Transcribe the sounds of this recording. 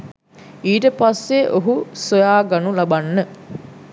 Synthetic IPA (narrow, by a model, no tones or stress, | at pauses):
iːʈəpasːeʔoɦusojaːɡanulabanːə